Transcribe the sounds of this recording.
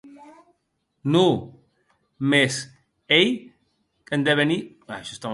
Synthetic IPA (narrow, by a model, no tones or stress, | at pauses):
nu | mes | ej | kend̪eβeni | aʃɔst̪am